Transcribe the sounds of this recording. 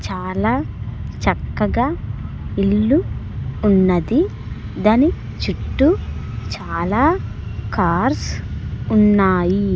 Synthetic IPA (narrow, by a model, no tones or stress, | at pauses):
t͡ʃaːlaː | t͡ʃɐkːɐɡaː | iɭːuː | nːɐd̪i | d̪ɐni | t͡ʃuʈːu | t͡ʃaːlaː | kaːɾsunːaːji